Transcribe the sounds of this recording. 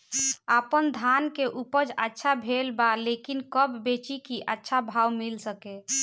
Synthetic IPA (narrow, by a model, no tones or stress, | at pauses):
apənd̪ʱankeʔupəd͡ʒətːʃʰabʱelbalekinkəbbet͡ʃikiʔətːʃʰabʱawmilsəke